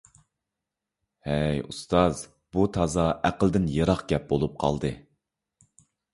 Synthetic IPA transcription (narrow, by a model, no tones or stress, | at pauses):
hɛjust̪ɑz | but̪ʰɑzɑæqəlˠd̪ɪnjeɾɑχɡʲɛp̚bolˠup̚qʰɑ̰lˠd̪ɨ